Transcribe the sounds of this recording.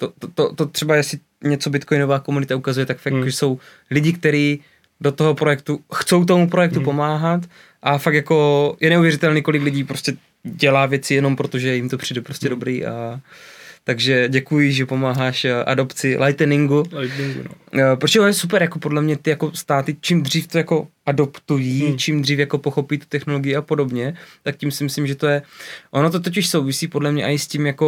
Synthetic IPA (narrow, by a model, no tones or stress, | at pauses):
t̪ot̪ot̪ot̪ot̪r̥ɛbajɛsɪ | ɲɛt͡so̞bɪt̪ko̞jnovaːkomunɪt̪aukazujɛt̪akfakʒɛso̞w | lɪɟɪkt̪ɛɾiː | do̞t̪oɦopɾojɛk̚t̪uxt͡so̞wt̪o̞mupɾo̞jɛk̚t̪upo̞maːɦat̪ | ʔafak̚t̪jako̞jʔɛnɛuvjɛɾɪt̪ɛlniːko̞lɪklɪɟiːpɾo̞scɛ | ɟɛlaːvjɛt͡sɪjɛno̞mpɾo̞t̪oʒɛjɪmt̪o̞pr̝̥iːdɛpɾo̞scʲɛdo̞bɾiːʔa | t̪aɡʒɛɟɛkujɪʒɛpo̞maːɦaːʃʔa̰do̞pt͡sɪlajt̪nɪŋɡut̪ŋɡ̰pɾosɛʔonojɛsup̬ɛɾjakopo̞dlɛmɲɛt̪ɪjako̞st̪aːt̪ɪt͡ʃimd̪r̝iːft̪o̞jako̞ʔado̞pt̪ujiːt͡ʃimd̪riːfjako̞po̞xo̞piːt̪u̥t̪ɛxnoloɡɪjɪʔapo̞do̞bɲɛt̪akcimsɪmɪslɪmʒɛt̪o̞jɛʔo̞not̪̬o̞t̪̬oc̬ɪʃso̞wvɪsiːpodlɛmɲɛʔa̰ɪscimjako̞